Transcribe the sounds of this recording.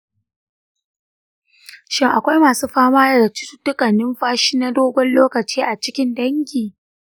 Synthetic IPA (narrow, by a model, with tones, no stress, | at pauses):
ʃɪ˦ŋʔa˨kʷa˦jmaː˨suː˦ɸaː˦maː˦jɐ˨da˨t͡ʃɪ̥˦tʊ̥˦tʊ˦kʼɐ˨nɪ˦mɸaː˦ʃiː˦na˦doː˦ɡʷɔ˦nloː˦kɐ˨t͡ʃiː˦ʔa˨t͡ʃɪ˦kʲɪ˦ndɐ˦ŋkʲiː˨